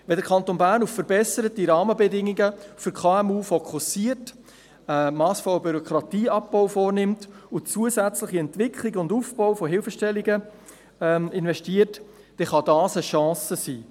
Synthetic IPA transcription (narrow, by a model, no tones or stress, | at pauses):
ʋɛdəɾkʰɑnt̪oːnbæːɾnuffəɾbɛsəɾət̚diɾɑːməbɛdɪŋːiɡəfʏɾkʰɑːɛmuːfɔkʰχusiərt | əmɑːsfɔləbyɾɔkʰɾɑtiːɑp̚b̥ɔwfɔːrnɪmt̪ʊt͡suəsæt͡sləχiɛntvɪkχlɪɡʊndufb̥ɔwfɔɦɪlfəʃtɛlːiɡə | ɪnvɛʃtiːət | d̥ɛχɑdɑːsəʃɑ̃ːsəsiː